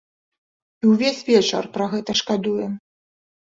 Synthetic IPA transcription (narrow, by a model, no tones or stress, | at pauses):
iwvʲesʲvʲɛt͡ʂɐ̰rpɾɐɣɛt̪ɐʂkad̪ujɛm